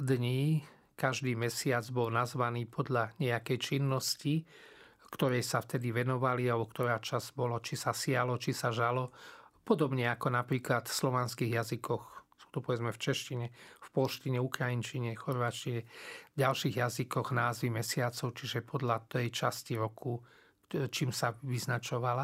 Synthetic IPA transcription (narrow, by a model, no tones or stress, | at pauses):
d̪ɲiː | kaʒd̪iːmɛsɪad͡zbɔlnazʋaniːpʰɔd̪ʎaɲɛakɛjt͡ʃinːɔsci | kt̪ɔɾɛjsaft̪ɛd̪iʋɛnɔʋalialɛbɔkt̪ɔɾaːt͡ʃazbɔlɔt͡ʃisasɪalɔt͡ʃisaʒalɔpɔd̪ɔbɲɛakɔnapɾiːklat̪slɔʋanskiːɣjazikɔxsu̥ːt̪ɔpɔʋɛd͡zmɛft͡ʃɛʃciɲɛfpɔlʃciɲɛukɾajint͡ʃiɲɛxɔɾʋaːt͡ʃciɲɛɟalʃiːɣjazikɔɣnaːzʋimɛsɪat͡sɔʊt͡ʃiʒɛpʰɔd̪ʎat̪ɛjt͡ʃasciɾɔku | t͡ʃiːmsaʋiznat͡ʃɔʋala